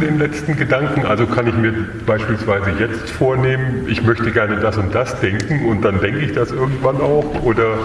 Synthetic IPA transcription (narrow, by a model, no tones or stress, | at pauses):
deːnlɛt͡stn̩ɡədaŋkŋ̩ʔa̰lzokʰanɪçmiːɐ | b̥aɪʃpiːlsv̥aɪzəjɛt͡stfoːɐneːmənʔɪçmœçtəɡɛɐnədasʊnt̚d̥asd̥ɛŋkŋ̩ʊnt̚d̥andɛŋkəɪçd̥asʔɪɐɡŋ̩tv̥anaʊxʔoːdɐ